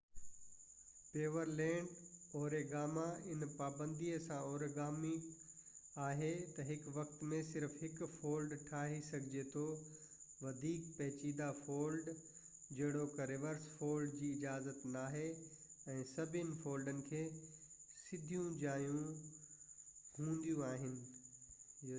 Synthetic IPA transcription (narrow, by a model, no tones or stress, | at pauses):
peːʋəɾlɛ̃ːɳɖɔːɾeɡaːmaɪnpaːbə̃nd̪iəsãɔːɾɡaːmi | aːɦet̪ɐɦɪkʋɐxt̪mẽsɪɾfɦɪkfoːlɖʈʰaːɦisɐɡʱɪd͡ʑet̪ʰo | ʋɐd̪ʱiːkpɛɦt͡ɕiːd̪afoːlɖ | d͡ʑɐɦɪɽ̃okɐɾɪʋəɾsfoːlɖd͡ʑiːɪd͡ʑaːzət̪naːɦeɛ̃ːsɐbʱɪnɪ̆foːlɖənɪ̆kʰeː | sɪd̪ʱijũd͡ʑaːjũ | hũːnd̪ijũaːɦɪnɪ̆